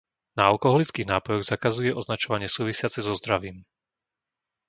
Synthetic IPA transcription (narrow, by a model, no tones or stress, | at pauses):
naalkɔɦɔlit͡skiːɣnaːpɔjɔɣzakazujɛʔɔznat͡ʃɔʋaɲɪɛsuːʋisɪat͡sɛzɔzd̪ɾaʋiːm